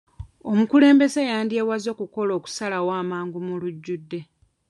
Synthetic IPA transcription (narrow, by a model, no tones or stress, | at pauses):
o̞mukule̞ːmbe̞zajaːndiewazo̞ːkuko̞lo̞ːku̥salawaːmaːŋɡumuluɟːudːe̞